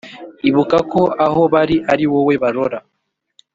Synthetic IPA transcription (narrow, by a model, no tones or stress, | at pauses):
iβukakoahoβaɾiʔaɾiwoweβaɾoɾa